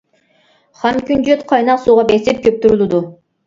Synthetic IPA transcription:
χɑmkʲynd͡ʒøt̪qʰɑjnɑqsuːʁɑbesip̚kʲʰøp̚t̪uɾulˠud̪u

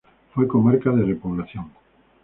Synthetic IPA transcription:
fojkomaɾkaðerepoβlaθjoŋ

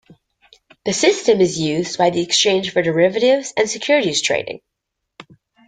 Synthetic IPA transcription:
ðɨsɪstɨ̃mɨzjʉzbaɪðiɨkst͡ʃʰẽɪ̃nʒ̥fə˞də˞ɪvɨɾɪvz̥ɨ̃nsɨkʰj̥ʊɹɨɾiz̥tʰɹ̥ḛɪɾɪ̰̃ŋ

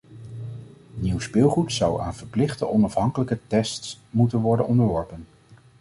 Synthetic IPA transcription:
niwspɪlˠχutsʌwa̰ːnv̥əɹplɪχtəʔɔnɑfɦɑŋkələkətɛstsmutənʋɔɹdənɔndəɹʋɔɹpən

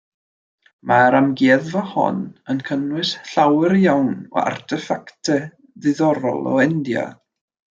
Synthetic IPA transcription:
maɾamɡeːðvəhɔ̰nənkʰənwɨsɬawəɾjawnɔ̰a̰rtʰɛfaktʰɛ | ðɪðɔɾɔ̰lˠɔ̰ɛndja̰

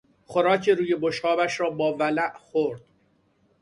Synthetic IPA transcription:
xoɾɒːcʰeɾuːje̞boʃhɒːbæʃɾɒːbɒːvælæʔxoɾd̪̥

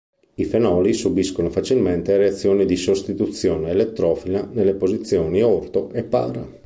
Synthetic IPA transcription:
ifenɔːlisubiskonofat͡ʃilment̪eaɾeat̪sːjoːnid̪isost̪it̪ut̪sːjoːneːlet̪ːɾɔːfilanelːepozit̪sːjoːniort̪oʔepːa̰ːɾa̰

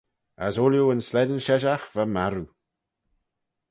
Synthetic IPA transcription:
a̰soljuənslɛdənʃɛʒaxvamaɾu

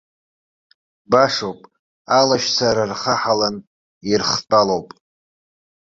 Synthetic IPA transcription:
baʂowpʼ | alaʃsaɾarχaħalan | irχtʼalowpʼ

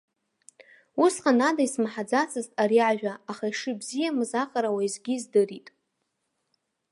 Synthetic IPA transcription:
usqanadaismaħad͡zat͡sʰʼɨztʼaɾiʕaʒᶣaːχaiʂɨbzijamɨzaqʼaɾawaizɡʲiːzdɨritʼ

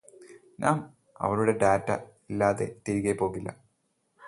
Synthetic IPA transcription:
ɲʔaːm | ɐ̰ʋɐɾuɽe̞ɖaːtːɐ̰ | ilːaːðe̞̰t̪iɾiɣepo̞ːɣilːɐ̰

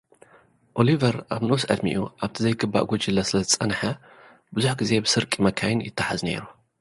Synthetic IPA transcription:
ʔo̞livɐɾaβnosʕɨ̰d̪mḭʔṵʔaβt̪ʰizɐjkʰɨbːa̰ʔɡod͡ʒɨlːɐsɨlɐzɨt͡sʼɐnħɐ | bɨzuħɡɨze̞bɨsɨɾkʼimɐkʰajɪnjɪ̰t̪ʰːaħazne̞̰ɾu

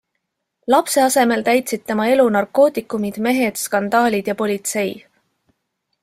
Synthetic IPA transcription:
lɑpse̞ɑse̞me̞lt̪æjt̪sid̪̥̚t̪e̞mɑe̞lunɑrkːˑo̞ːt̪ikːˑumid̪̥me̞ɦe̞d̪̥skɑnd̪ɑːlʲid̪̥jɑpo̞lʲit̪se̞j

